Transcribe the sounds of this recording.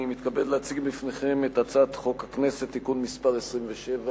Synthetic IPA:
nimit̪kabedleat͡siɡbifne̞χe̞met̪at͡sat̪χo̞khakne̞se̞t̪ːikunmispaʁesʁimveʃeva

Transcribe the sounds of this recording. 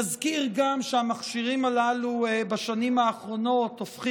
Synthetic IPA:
azkiʁɡamʃeamaχʃiʁimalaluebaʃanimhaːχʁo̞no̞t̪ofχi

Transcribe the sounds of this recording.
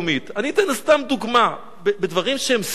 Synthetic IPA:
mit̪aniːt̪enast̪amd̪uɡma | bebedvaʁimʃeems

